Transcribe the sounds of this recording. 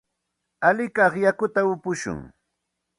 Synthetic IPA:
alɪkɑχjakʊt̪aʊpʊʃʊ̰ŋ

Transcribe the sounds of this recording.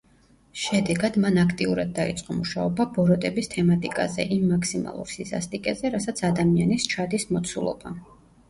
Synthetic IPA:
ʃɛd̪ɛɡad̪manakʰt̪ʼiuɾad̪̚ːaḭt̪sʼqʼɔmuʃaɔbabɔɾɔt̪ʼɛbist̪ʰɛmat̪ʼikʼa̰zɛ̰ʔimːakʰsima̰lˠṵɾsiza̰st̪ʼikʼɛzɛɾasat̪sʰad̪amianist͡ʃʰad̪ismɔt̪sʰulˠɔ̰b̥a̰

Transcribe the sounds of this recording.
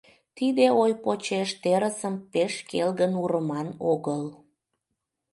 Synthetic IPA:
t̪id̪eojpot͡ɕeʃt̪eɾəsəmpeʃkelɣənuɾəmɑnoɣəl

